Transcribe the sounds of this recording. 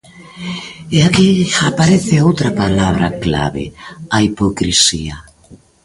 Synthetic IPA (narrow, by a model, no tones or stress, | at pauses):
eakiapaɾeθɪowt̪ɾapalaβ̞ɾakla̰βɪ̰aipokɾisia